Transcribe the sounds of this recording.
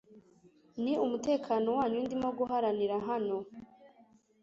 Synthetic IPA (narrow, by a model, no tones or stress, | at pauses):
niumute̞ːkʰaːno̞waːɲundimoɡuɦaɾaniɾaɦano̞